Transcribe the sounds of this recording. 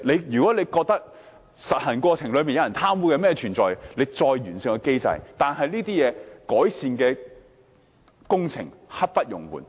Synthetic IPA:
le˨˧jjyː˨kɔː˨˥le˨˧jkɔː˧k̚t̪ɐ˥k̚ | sɐ˨t̚hɐ˨˩nkʷɔː˧t͡sʰɪ˨˩ŋlɵ˧ɥmiː˨njɐ˧jɐ˨˩nt̪ʰaː˥mwuː˨˥kɛ˧mɛː˥t͡ʃʰyː˨˩nt͡sɔː˨jle˨˧jt͡sɔː˧jɥyː˨˩nsɪ˨ŋkɛ˧ke˥jt͡sɐ̰˧jt̪aː˨nɦɐ˨jliː˥t̪iː˥jɛː˨˧kɔː˨˥jsiː˨˧nkɛː˧ | kʊ˥ŋt͡sʰɪ̰˨˩ŋhɐ˥t̚pɐ˥t̚jʊ˨˩ŋwṵː˨˩n

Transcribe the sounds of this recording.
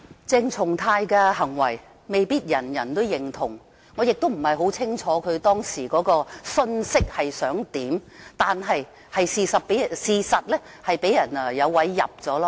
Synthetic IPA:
t͡sɪ˧ŋt͡sʰʊ˨˩ŋt̪ʰaː˧jkɛː˧ɦɐ˨˩ŋwɐ˨˩j | me˨jpiː˥t̚jɐ˨˩njɐ˨˩nt̪o˥wjɪ˨ŋt̪ʰʊ˨˩ŋ | ŋɔ˨˧jɪ˨k̚t̪o˥wm̩˨˩hɐ˨˩jɦo˨˥wt͡sʰɪ˥ŋt͡ʃʰɔː˨˥kʰɵ˨˧t̪ɔː˥ŋsiː˨˩kɔː˨˧˥kɔː˧sɵ˧˥nsɪ˥k̚hɐ˨jsœː˨˥ŋt̪iː˨˥mt̪aː˨nɦɐ˨j | hɐ˨jsiː˨˧sɐ˨t̚pe˨˥jsiː˨sɐ˨t̚lɛ˥ | hɐ˨jpe˨˥jɐ˨˩nɛ˨jɐ˨˧wwɐ˨˥jːɐ̰˨p̚t͡sɔː˨˥lɔ˥

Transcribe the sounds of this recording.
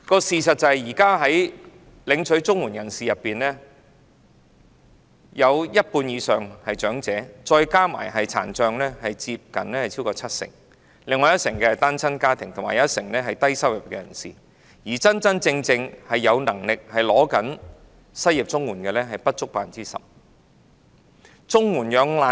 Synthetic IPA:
kɔː˧siː˨sɐ˨t̚t͡sɐ˧hɐ˨jjiː˨˩kaː˥ɦɐ˨˥j | lɪ˨˧ŋt͡ʃʰɵ˨˥ɥt͡sʊ˥ŋwuː˨˩njɐ˨˩nsiː˨jɐ˨pːiː˨nlɛː˥ | jɐ˨˧wjɐ˥t̚puː˧njiː˨˧sœː˨ŋhɐ˨jt͡ʃœː˨˥ŋt͡sɛː˨˥t͡ʃɔː˧jkaː˥ma̰ː˨˩jɦɐ˨jt͡sʰa̰ː˨˩nt͡ʃœː˧ŋlɛː˥hɐ˨jt͡siː˧p̚kɐ̰˨˩nlɛː˥hjt͡sʰiː˥wkɔː˧t͡sʰɐ˥t̚sɪ̰˨˩ŋ | lɪ˨˧ŋːɔː˧jɐ˥t̚sɪ˨˩ŋkɛː˧hɐ˨jt̪aː˥nt͡sʰɐ˥nkaː˥t̪ʰɪ˨˩ŋt̪ʰʊ˨˩maː˨˩jɐ˦˥t̚sɪ˨˩ŋlɛː˥ɦɐ˨jt̪ɐ˥jsɐ˥wjɐ˨˩p̚kɛ˧jɐ̰˨˩nsiː˨˩ | jiː˨˩t͡sɐ˥nt͡sɐ˥nt͡sɪ˧ŋt͡sɪ˧ŋhɐ˨jːɐ˨˧wnɐ˨˩ŋlɪ˨k̚hɐ˨jlɔː˨˥kɐ˨˥n | sɐ˥ji˨p̚t͡sʊ˥ŋwuː˨˩nkɛ˧lɛː˥ɦɐ˨jpɐ˥t̚t͡sʊ˥k̚paː˨nt͡siː˥sɐ̰˨p̚ | t͡sʊ˥ŋuː˨˩njœː˨˧ŋlaː˨

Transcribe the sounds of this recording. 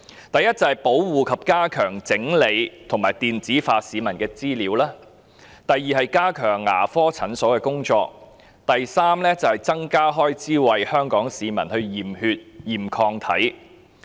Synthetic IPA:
t̪ɐ˨jɐ˥t̚t͡sɐ˨whɐ˨jpo˨˥wwuː˨kʰɐ˨p̚kaː˥kʰœː˨˩ŋt͡sɪ˨˥ŋle˨˧jt̪ʰʊ˨˩ŋmaː˨˩jt̪iː˨nt͡siː˨˥faː˧siː˨˧mɐ˨˩nkɛː˧t͡siː˥liː˨˥wlaː˥ | t̪ɐ˨jːiː˨hɐ˨jkaː˥kʰœː˨˩ŋːa̰ː˨˩fɔː˥t͡sʰɐ˨˥nsɔː˨˥wkɛː˧kʊ˥ŋt͡ʃɔː˧k̚ | t̪ɐ˨jsaː˥mlɛː˥t͡sɐ˨˩hɐ˨jt͡sɐ˥ŋkaː˥ɦɔː˥jt͡siː˥wɐ˨jhœː˥ŋkɔː˨˥ŋsiː˨˧mɐ˨˩nhɵ˧ɥjiː˨˩mhyː˧t̚jiː˨˩mkʰɔː˧ŋt̪ʰɐ̰˨˥j

